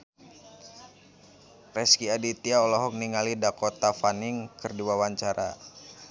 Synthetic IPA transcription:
rɛskiadit̪iaɔlɔɦɔk̚niŋalidakɔt̪afaniŋkɨrdiwawaɲt͡ʃaɾa

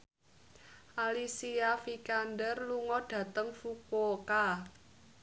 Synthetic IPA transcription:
ʔalisiafikandərluŋɔɖ̥ä̤t̪əŋfukoka

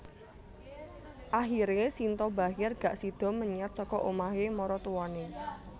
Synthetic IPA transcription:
ʔaɦiɾesint̪ɔbaɦɪrɡ̥a̤ʔsid̪̥ɔ̤məɲat̪̚sɔkɔʔomaɦemɔɾɔt̪uwɔne

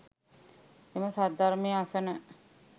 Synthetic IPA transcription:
eməsad̪aɾmeəasənə

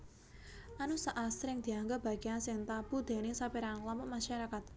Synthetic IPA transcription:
ʔanusaʔasɾɪŋd̪̥i̤aŋɡɔb̥a̤ɡ̥ijansɪnt̪ab̥ud̪̥e̤nesapiɾanlaməmaʃaɾakat̪̚

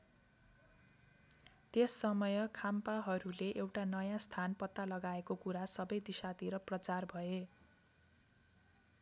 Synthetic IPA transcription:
t̪esːʌmʌjʌkʰampaɦʌɾuleʔewʈanʌjãst̪ʰanpʌt̪ːalʌɡaekokuɾasʌbʌjd̪isat̪iɾʌprʌt͡sarbʱʌe

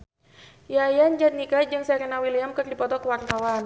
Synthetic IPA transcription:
jajand͡ʒat̪̚nikad͡ʒɨŋsaaɾənawiliamkərdipɔt̪ɔkəwart̪awan

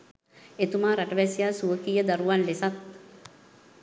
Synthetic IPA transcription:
et̪umaːɾaʈəʋɛsijaːsuʋəkiːjəd̪aɾuʋanlesat̪̚

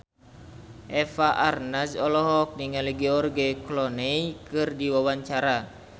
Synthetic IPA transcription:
ʔɛfaʔarnasɔlɔɦɔk̚niŋaliɡɛɔrɡɛklɔnejkɨrdiwawaɲt͡ʃaɾa

